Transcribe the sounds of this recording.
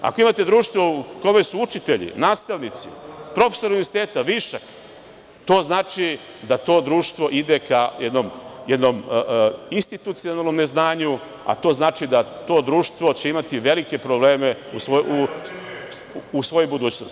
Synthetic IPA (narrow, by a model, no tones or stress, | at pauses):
a̰ko̞imat̪e̞d̪ɾuːʃt̪ʋouko̞mesuut͡ʃit̪eʎḭnaːst̪aʋnit̪sḭpɾo̞fe̥soɾauniʋeɾsi̥t̪eːt̪aʋiʃak | t̪o̞ːznaːt͡ʃi | d̪at̪o̞ːd̪ɾuːʃt̪ʋo̞ʔid̪ekajed̪no̞mjed̪no̞m | inst̪it̪ut̪sionalno̞mne̞znaːɲu | a̰t̪o̞ːznaːt͡ʃid̪at̪o̞d̪ɾuːʃt̪ʋo̞t͡ɕe̞imat̪iʋe̞like̞pɾoble̞ːme̞usou | usʋo̞jubud̪uːt͡ɕnos